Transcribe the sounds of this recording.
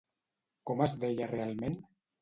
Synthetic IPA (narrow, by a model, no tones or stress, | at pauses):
komazðeʎarealˠmen